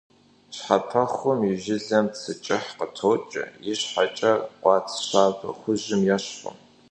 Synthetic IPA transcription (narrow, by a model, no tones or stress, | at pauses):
ɕħapʰɐχʊmiʒɪɮɐmsʰɨt͡ʃʼɪħqətʰowt͡ʃʼɪ̰jɪɕħat͡ʃʼɐqʷɑːt͡sʰɕaːvɐ̰χʷʊʑɪmjɛɕχʷʊ̰m